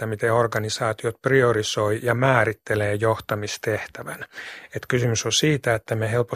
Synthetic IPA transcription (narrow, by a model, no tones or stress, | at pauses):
æmit̪eorɡɑnisɑːt̪iot̪priorisoijɑmæːɾit̪ːeleːjoht̪ɑmist̪eht̪æʋænet̪kysymysosiːt̪æet̪ːæmehelpo